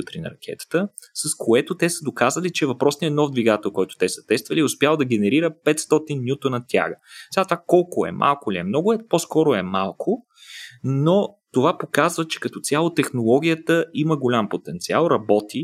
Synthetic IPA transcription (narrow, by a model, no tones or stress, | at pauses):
ut̪ɾinɐ̰ɾɐk̟ʰʲɛ̰t̪ə̥t̪ə | sɐskʰoɛt̪ʊt̪ɛsəd̪okazəlit͡ʃɛvɐpɾɔsniɛnɔvd̪viɡat̪ɛlˠkɔjt̪ʊ̥t̪ɛsə̥t̪ɛst̪vəliɛʊspʲjalˠd̪ɐɡɛnɛɾiɾəpɛt̪st̪ɔt̪inːjut̪onɐt̪ʲja̰ɡəsɛɡat̪ovakɔlˠkʊɛ̰mʔa̰lˠkʊliɛmnɔɡʊɛposkɔɾʊɛmalˠkʰo | not̪ovapokazvət͡ʃɛ̥kɐt̪ɔt̪sʲjalˠot̪ɛxnolˠɔɡʲijət̪əiməɡolʲampot̪ɛnt̪sialˠɾɐbɔt̪i